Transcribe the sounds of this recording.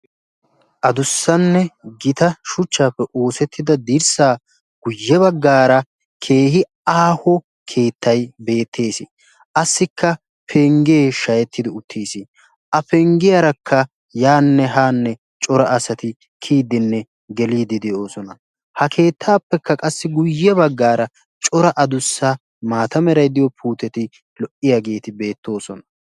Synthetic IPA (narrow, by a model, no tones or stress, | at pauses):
ʔɐd̪ʊsːɐnːɛɡɪt̪ɐʃʊt͡ʃːaːpːɛʔo̞ːsɛt̪ːɪd̪ɐd̪iɾsaː | ɡ̥ʊjːɛβɐɡːaːɾɐ | kʰe̞ːhɪ | aːhɔ | kʰe̞ːt̪ːɐjbe̞ːt̪ːe̞ːsɪ | ʔɐsːɪkʰːɐ | pʰɛŋɡeːʃɐjɛt̪ːɪd̪ɪʊt̪ʰːeːsɪ | ʔɐpɛŋɡɪjɐɾɐkʰːɐ | jaːnːɛɦaːnːɛ | t͡ʃʼɔɾɐɐsɐt̪ɪ | kʰiːd̪ɪnːɛ | ɡɛliːd̪ɪd̪ɛo̞ːsɔnɐ | hɐkʰe̞ːt̪ʰːaːpːɛkːɐkʼɐsːɪɡʊjːɛbɐɡːaːɾɐ | t͡ʃʼɔɾɐʔɐd̪ʊsːa | maːt̪ɐmɛɾɐjd̪ɪjɔpʰuːt̪ɛt̪ɪ | lɔʔɪjaɡe̞ːt̪ɪbe̞ːt̪ːo̞ːsɔnɐ̥